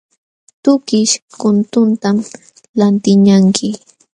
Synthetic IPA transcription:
t̪ʊkɪʃkʊnt̪ʊnt̪am | lant̪ɪɲaŋkʰɪ

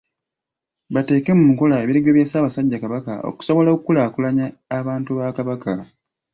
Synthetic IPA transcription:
βate̞ːkemumuko̞laeβiɾeɡeβjeːsaːβasaɟːakaβaka̰o̰ku̥so̞βo̞lakukulaːkulaɲaːβaːntuβakaβakʰa

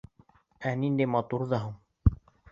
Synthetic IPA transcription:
ænind̪æjmɑt̪uɾðɑɦuɴ

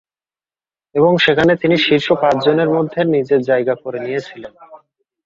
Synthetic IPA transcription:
eβoŋʃekʰanet̪iniʃiɾʃopat͡ɕd͡ʑoneɾmod̪ʱːenid͡ʑeɾd͡ʑajɡakoɾenijet͡ɕʰilen

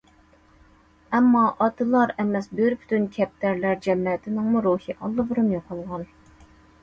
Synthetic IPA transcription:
ɛmːɑʔɑt̪ʰɨlˠɑɾɛmɛsbøɾpʰy̥t̪ynkʲʰɛp̚t̪ʰæɾlæɾd͡ʒɛmːɛt̪ʰɪnɪŋmuɾuhiʔɑlˠːɨbɨɾymjoqʰɑlˠʁɑn

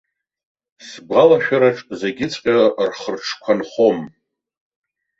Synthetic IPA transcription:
sbʁalaʃᶣaɾaʈ͡ʂʼzeɡʲɪt͡sʼqʲʼarχərʈ͡ʂʰkʷʰanχo̞m

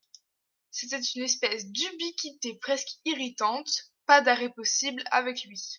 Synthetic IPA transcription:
set̪ɛt̪ynɛspɛsd̪ybikʲit̪epχɛskiʁit̪ɑ̃t̪pad̪aʁɛpɔsibla̰vɛklɥi

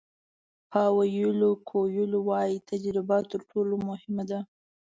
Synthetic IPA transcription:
pɑwajəlokʰojʊlowɑjit̪ʰad͡ʒɾɪbat̪əɾʈʰolomʊhɪmad̪a

